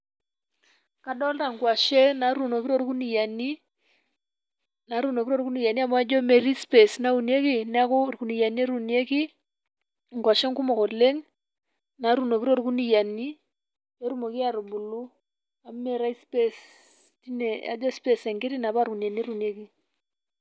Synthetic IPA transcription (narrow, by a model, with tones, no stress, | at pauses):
ka˨dɔ˦lta˨ŋ˨kwa˨ʃe˦na˨ɾu˦˨no˨ki˦ɾo˦ɾi˦ku˦ni˨ja˨ni˦ | na˨˦ɾu˦no˨ki˦ɾo˦ɾku˦ni˨ja˨ni˦a˦mɔ˦a˦d͡ʒɔ˦me˨ɾi˦spe˨sna˦u˨ni˦e˦ki˦na˦kʊ˦rku˨ni˨ja˨ni˦e˦ɾu˨n˦e˦ki˦ | ŋ̩˨kwa˨ʃe˦ŋku˦mo˨ko˨le˦ŋ | na˨˦ɾu˦˨no˨ki˦ɾo˦ɾi˦ku˦ni˨ja˨ni˦ | e˦ɾu˦mo˨ki˦a˨ɾu˨bu˨lu˦ | a˨˦me˨ɾa˦i˦spe˦s | ti˦ne˨a̰˦d͡ʒɔ˦spe˦˨se˨ŋkɪ˦ɾi˦na˨ba˦ɾku˨n˨a˨ni˦e˦ɾu˨ni˨e˦ki˦